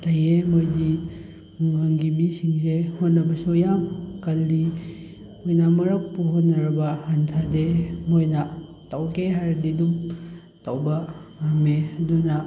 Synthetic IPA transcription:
tajemojdi | muŋaŋɡibisiŋsehotnːɐbɐsujamkɐldi | mojnɐmɐɾɐk̚puɦotnɐɾɐbɐhɐntʰademojnɐ | tawkeɦaɾdidum | tawbɐhɐmeɐdunɐ

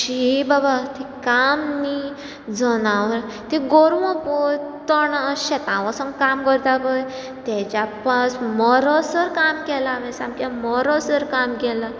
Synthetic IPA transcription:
ɕibabat̪ʰikamni | d͡zənaʋ | t̪iɡoɾʋɔ̃pɔjt̪ɔɳaɕɛt̪ãʋasɔ̃nkamkɔɾt̪akəj | t̪ɛt͡ɕapasmɔɾɔsəɾkamkɛlamɛsamkamɔɾɔsəɾkamkɛla

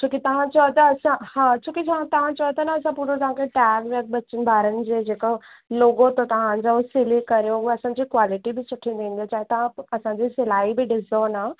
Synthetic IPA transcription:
t͡ɕʰũːkit̪ɐʋ̤ãt͡ɕɐot̪ɐːsãhãt͡ɕʰũːkit͡ɕɐʋãt̪ɐʋ̤ãt͡ɕɐot̪ɐnaɐsãpuːɾot̪ɐɦãkʰeʈɛːɡʋɐk̚bɐt͡ʃənɪ̆bʱaːɾənɪ̆d͡ʑeːd͡ʑeːko | loːɡot̪ot̪ɐʋ̤ãɲd͡ʑaʊsilikɐɾjoɐsãːɲd͡ʑikwaːlɪʈibɪsʊʈʰĩnd̪ẽːnd̪ijat͡ɕaːɦet̪ɐʋ̤ãɐsãɲd͡ʑisɪlaːibɪɖɪsona

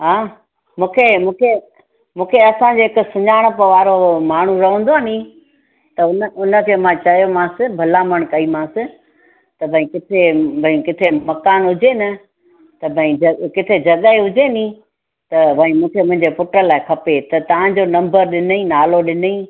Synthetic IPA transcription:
ɦaː | mũːkʰemũːkʰe | mũːkʰeɐsãd͡ʑoːɦɪkʊsʊɲaːɪɽ̃pəʋaːɾomaːɳ̤uɾɐɦə̃ːnd̪oanĩ | t̪ɐʊnəʊnə̆kʰeːmãt͡ɕɐjomãsɪ̃bʱɐlaːməɽ̃kɐimãːsɪ̃ | t̪ɐbʱɐ̃ĩkɪt̪ʰebʱɐ̃ĩkɪt̪ʰemɐkaːnɦʊd͡ʑenɐ | t̪ɐbʱɐĩɐkɪt̪ʰed͡ʑɐɠəɦeɦʊd͡ʑenĩː | t̪ɐbʱɐ̃ĩmũːkʰemʊ̃ɦɪ̃ɲd͡ʑepʊʈəlaːɪkʰɐpet̪ɐt̪ɐʋ̤ãd͡ʑoːnɐ̃mbəɾɗɪnəĩːnaːloɗɪnəĩː

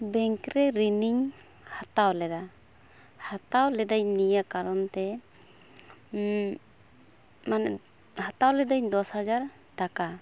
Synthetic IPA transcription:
bɛŋkɾɛɾiniɲ | hat̪awlɛd̪a | hat̪awlɛd̪aɲnijakaɾɔnt̪ɛ | manɛʔ | hat̪awlɛd̪aɲd̪ɔshad͡ʒaɾ | ɖaka

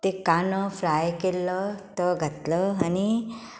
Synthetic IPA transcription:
t̪ekanəfɾajkelːət̪əɡʱət̪ləani

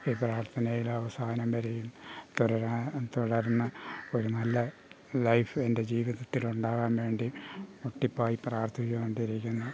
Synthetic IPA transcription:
iːpraːrt̪ʰɐnɐjilɐʋɐsaːnɐmʋɐɾejumt̪uɽɐɾat̪uɽɐɾnːɐoɾunɐlːɐ | lɐjfe̞nde̞d͡ʑiːʋiðɐt̪ːiluɳɖaːɣaːmʋe̞ːɳɖimuʈːipːaːjipraːrt̪ʰikʲːɐmoɳɖiɾikʲːunːɐ

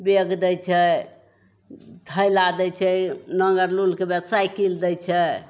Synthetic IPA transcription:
beɡd̪ɛt͡ʃʰɛ | d̪ʱəjlad̪ɛt͡ʃʰɛnəŋɡəɾlulkebjɛbsajkild̪ət͡ʃʰɛ

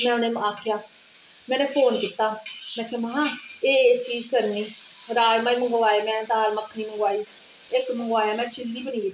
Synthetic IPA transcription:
mɛ̃ːʊneːmaːkʰjaː | mɛ̃ːnẽːpʰoːnkiːt̪aːmɛ̃ːkʰeməɦãːeːt͡ʃiːd͡ʒkəɾniːɾaːlmãːiːməŋɡoːaːeːmɛ̃ːd̪aːlməkʰːniːməŋɡaːiː | ɪkməŋɡaːjaːmɛ̃ːt͡ʃʰɪld̪iːbənĩːɡɪt̪ː

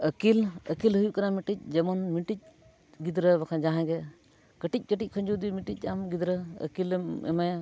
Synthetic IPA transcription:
əkiləkilɦujuʔkaɾamiʈic̚ˀd͡ʒɛmɔnmiʈic̚ | ɡid̪ɾəbakʰãd͡ʒaɦãɡɛ | kəʈic̚ˀkəʈic̚ˀkʰɔɲd͡ʒud̪imiʈic̚ˀamɡid̪ɾəə̰kilmɛ̰maja

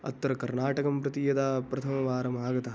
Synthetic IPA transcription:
ɐ̰t̪ːɐɾɐkɐɾnaːʈɐkɐmpɾɐt̪ijɐd̪apɾɐt̪ʰɐmɐʋaːɾɐmaːɡɐt̪ɐ

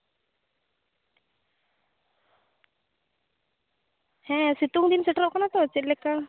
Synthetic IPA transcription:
hɛ̃sit̪uŋd̪insɛʈɾɔʔkɔnat̪ɔt͡ʃiʔlɛkːa

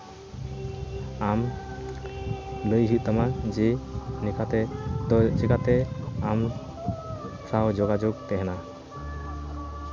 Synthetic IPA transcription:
am | bəjɦit̪̚t̪amad͡ʒɛnikat̪ɛ | t͡ʃɛkat̪ɛam | saɦd͡ʒɔɡad͡ʒɔɡ̚t̪ɛɦɛna

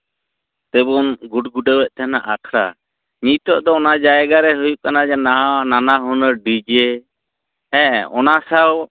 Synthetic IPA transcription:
t̪ɛbɔnɡuɖɡuɖəwɛʔ̚t̪ʰana̰ʔakʰɾa̰ | ɲit̪ɔʔd̪ɔːnad͡ʒajɛɡaɾɛɦujuʔkanad͡ʒɛnaɦãwaʔnanaɦɔnəɾɖid͡ʒe | ɛ̃ɔ̰nasaw

